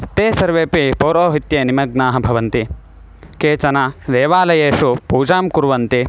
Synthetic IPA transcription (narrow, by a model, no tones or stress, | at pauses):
t̪eːsɐɾʋeːpipoːɾoːɦit̪jeːnimɐɡnaːɦɐbʱɐʋɐnt̪i | keːt͡ʃɐnad̪eːʋaːlɐjeːʃupuːd͡ʒaːmkuɾʋɐnt̪i